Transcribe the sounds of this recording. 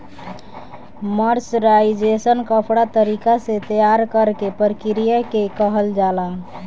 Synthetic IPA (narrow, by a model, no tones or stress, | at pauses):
məɾsɾaid͡ʒesənkəpʰɽat̪əɾikaset̪əjaɾkəɾkepəɾkiɾijakekəɦəld͡ʒala